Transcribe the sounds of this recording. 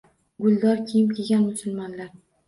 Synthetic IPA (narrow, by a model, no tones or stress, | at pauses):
ɡʊlˠd̪ɒɾkʲʰejɪmkʲʰeɡʲanmʊsʊlˠmɒnlaɾ